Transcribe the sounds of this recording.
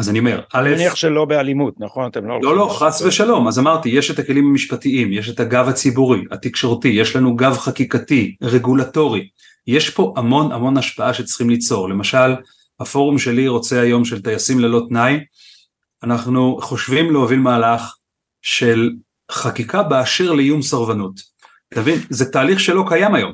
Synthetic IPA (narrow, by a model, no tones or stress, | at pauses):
azaniome̞ʁaleniaʃelo̞bealimut̪naχonat̪emlololo̞χasveʃalo̞mazamaʁt̪ije̞ʃe̞take̞limamiʃpatiimje̞ʃ̬e̞thaɡavat͡sibuʁiat̪ikʃo̞ʁtije̞ʃlanuɡavχakikatiʁe̞ɡulato̞ʁi | je̞ʃpo̞ʔamo̞na̰mo̞naʃpaaʃe̞t͡sχimlit͡so̞ʁle̞maʃal | hafo̞ʁumʃe̞liʁo̞t͡se̞ajo̞mʃe̞lt̪ajasimlelo̞tnaj | anaχnuχo̞ʃvimleovilmaːlaχ | ʃe̞l | χakikabeaʃiʁlejumsaʁvanut | t̪vinzetaːliχʃelo̞kajamajo̞m